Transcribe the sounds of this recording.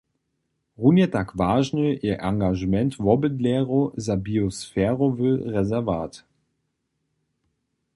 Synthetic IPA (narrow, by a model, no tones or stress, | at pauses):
ʁunjətakvaːʒnəiɐʔaŋɡaʒəmɛntvɔbədlɛːʁozabiosfɛːʁovəʁɛzɛɐvaːt